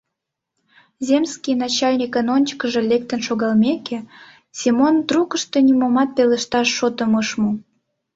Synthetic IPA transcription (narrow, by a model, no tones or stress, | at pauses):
zʲemskʲijnɑt͡ɕɑlʲnʲikənonʲt͡ɕkəʒĕlʲek̚t̪ənʃoɣɑlmʲeke | sʲimond̪ruɣəʃt̪onʲimomɑt̪̚peləʃt̪ɑʃːot̪ə̆məʃmu